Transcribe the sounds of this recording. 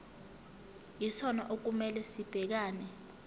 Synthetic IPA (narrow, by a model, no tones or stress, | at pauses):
isɔnaʔok̬umɛlɛsib̥ʱɛk̬aːnɛ